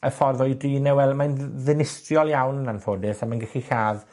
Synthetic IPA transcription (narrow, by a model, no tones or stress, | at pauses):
əfɔrðɔjdriːnɛwɛlˠmajnðɪnɪstrjɔlˠjawnːanfoːdɪsamanɡɛχiɬaːð